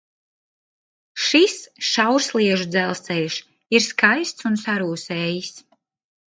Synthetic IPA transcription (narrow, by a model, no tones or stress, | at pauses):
ʃisʃawɾsliɛʒud̪zɛlˠst̪sɛlʲʃ | iɾskajst̪sunsaɾuːsɛːjis